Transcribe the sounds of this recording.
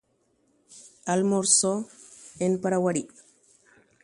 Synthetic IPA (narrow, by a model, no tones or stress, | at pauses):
ʔalmɔɾsɔɛnpaɾawaɽi